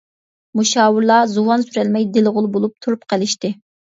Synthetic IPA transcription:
muʃɑːwuɾlˠɑzuwɑnsyɾɛlmɛjd̪ɪlʁʊlˠbolˠup̚t̪ʰuɾupqʰəlˠɪʃt̪ɪ

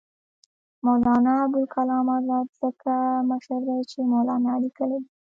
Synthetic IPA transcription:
molɑnɑbʊlkalɑmɑlɑt̪z̥əkaməʃəɾd̪ajt͡ʃemolɑnɑlikəled̪i

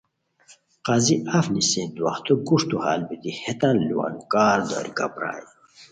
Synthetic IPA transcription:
qaziʔafnisĩnd̪uwa̰χt̪uɡuʂt̪uha̰ːlbit̪ihet̪ɐnliwa̰nkaːɾd̪o̰ɾiɡa̰bɾa̰ːji

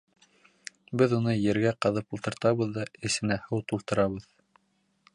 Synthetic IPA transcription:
bɘðunɤjɘ̆ɾɡæqɤ̆ðɤpulˠt̪ɤ̆ɾt̪ɑβɤðːɑɘ̆sɘ̆næhɤwt̪ulˠt̪ɤ̆ɾɑβɤð

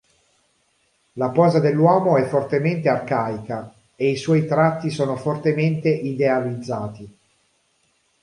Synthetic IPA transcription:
lapɔːzad̪elːwɔːmoɛfːort̪ement̪earkaːika | eiswɔjt̪ɾat̪ːisoːnofort̪ement̪eʔid̪ealid̪zːaːt̪i

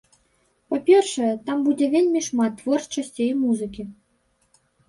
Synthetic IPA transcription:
papʲɛrʂɐjɛt̪ambud͡zʲɛvʲelʲmʲiʂmat̪ːvɔrt͡ʂɐsʲt͡sʲɛimuzɨkʲi

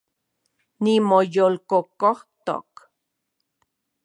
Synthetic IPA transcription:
nimojolkokoht̪o̰k

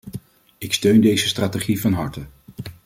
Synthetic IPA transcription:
ɪkstøɥndejzəstraːteχivɑnɦɑɹtə

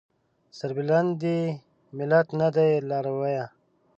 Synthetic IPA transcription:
səɾbiland̪i | mɪlat̪nad̪ajlaːɾawaja

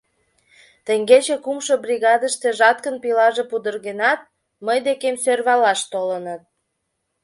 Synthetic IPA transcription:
t̪ə̆ŋɡet͡ɕekumʃobrʲiɣɑd̪əʃt̪eʒɑt̪̚kənpilɑʒepud̪ərɣenɑt̪̚ | məjd̪ekemsørβɑlɑʃt̪olənət̪̚

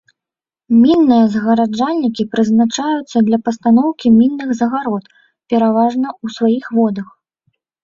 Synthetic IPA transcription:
mʲinːɨjɐzɐɣɐɾad͡ʐalʲnʲikʲipɾɨznat͡ʂajut̪sːɐd̪lʲɐpɐst̪anɔwkʲimʲinːɨɣzɐɣaɾɔt̪ | pʲɛɾavaʐnɐusvajixvɔd̪ɐx

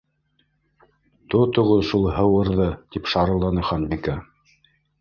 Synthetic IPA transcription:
t̪ot̪ŏʁoʃulˠhɤ̆wɤ̆ɾðɤt̪ipʃɑɾɤ̆lˠɑnɤχɑnbika

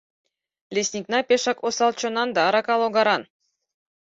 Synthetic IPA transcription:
lʲesʲnʲiknapʲeʃɑkosɑlˠt͡ʃonɑnd̪aːɾakalˠoɡaɾan

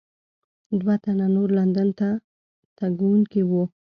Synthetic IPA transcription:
d̪wat̪ananoɾland̪ənt̪a | t̪aɡwuŋkiwu

